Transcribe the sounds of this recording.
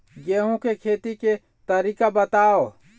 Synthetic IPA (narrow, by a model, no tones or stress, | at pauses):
ɡeːɦũkekʰeːt̪ike | t̪əɾiːkabət̪aːo